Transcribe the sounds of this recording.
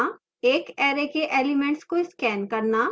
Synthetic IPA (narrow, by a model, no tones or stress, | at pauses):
eːkɛːɾekeʔeːlɪmẽɳʈskoɪskɛːnkɐɾna